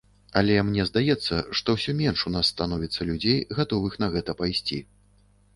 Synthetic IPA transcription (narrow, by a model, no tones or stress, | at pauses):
ɐlʲɛmnʲɛzd̪ajɛt̪sːɐʂt̪ɔwsʲɔmʲɛnʂunasːt̪anɔvʲit̪sːɐlʲud͡zʲejɣat̪ɔvɨxnɐɣɛt̪ɐpajsʲt͡sʲḭ